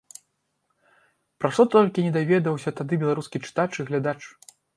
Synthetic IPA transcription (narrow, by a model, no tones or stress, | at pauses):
pɾaʂt̪ɔt̪ɔlʲkʲinʲɛd̪avʲɛd̪ɐwsʲɐt̪ad̪ɨbʲɛlˠaɾuskʲit͡ʂɨ̥t̪at͡ʂiɣlʲad̪at͡ʂ